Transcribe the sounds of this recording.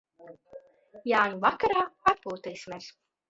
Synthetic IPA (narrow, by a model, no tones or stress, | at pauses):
jaːɲuvakaɾaːat̪̚puːt̪ɛjsimʲɛs